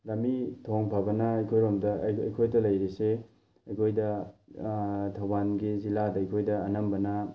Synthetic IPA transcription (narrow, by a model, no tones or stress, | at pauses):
lɐmitʰoŋpʰabɐnɐɐjkʰojɾomdɐɐ̰jkʰojdɐlɐjɾise | ɐjkʰojdɐ | tʰɐwbanɡiziladɐɐjkʰojdɐːnɐmbɐnɐ